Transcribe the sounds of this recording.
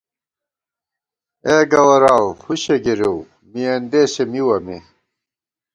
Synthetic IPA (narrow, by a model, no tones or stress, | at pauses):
eːɡɐwɐɾaːwhuɕeɡeɾew | miɐnd̪eːɕemiwɐme